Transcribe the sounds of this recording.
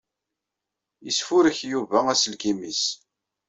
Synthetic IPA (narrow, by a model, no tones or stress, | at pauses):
jisfʊɾəçjuvææsəlkimis